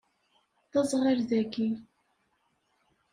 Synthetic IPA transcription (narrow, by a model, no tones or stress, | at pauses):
θɑzˤʁəɾðækːi